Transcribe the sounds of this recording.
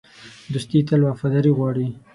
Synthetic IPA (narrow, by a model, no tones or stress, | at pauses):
d̪ust̪it̪alwɑfad̪aɾiɣwɑɽi